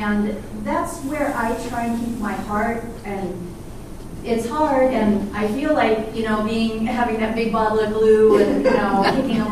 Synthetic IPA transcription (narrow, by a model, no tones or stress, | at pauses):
ɨ̃nðætswə˞ʔaɪtʰɹ̥aɪɨ̃ntʰɨkip̚maɪhɑɹt̚ | ɨ̃n | ɪtshɑɹɾɨ̃naɪfilaɪkjɨñoʊbiɪ̃ŋɦævɪ̃ŋðɨt̚b̥ɪɡ̚bɑɾl̩ˠʌv̚blʉɨ̃njɨnoʊkʰeɪkɪ̃ŋ